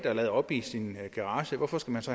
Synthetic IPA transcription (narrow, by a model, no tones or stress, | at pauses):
d̥ælɛːð̞̩ˠɒ̽b̥isinɡ̥æʁɑ̈ːɕəʋɒfɒ̽sɡ̥æmænsɒ̽